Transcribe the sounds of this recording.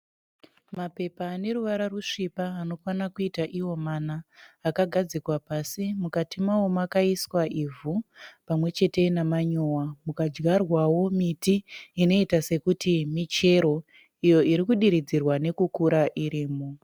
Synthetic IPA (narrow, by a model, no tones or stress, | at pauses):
mape̞paːne̞ɾuʋaɾaruʂipaːno̞fanakuitaʔiwo̞manaːkaɡʱad͡zikwapasimukatimawomwakaiswaivupamwe̞t͡ʃe̞te̞namaɲowamukad͡ʒɡarwawo̞mitiːno̞itase̞kutimit͡ʃe̞ɾo̞ | ijo̞iɾikuɗiɾid͡zirwane̞kukuɾaʔiɾiːmo